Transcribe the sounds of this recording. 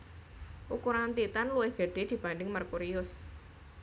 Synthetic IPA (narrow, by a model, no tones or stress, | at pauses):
ʔukuɾant̪it̪anluwɪhɡ̥ə̤ɖ̥e̤d̪̥i̤b̥anɖɪŋmarkuɾiʊs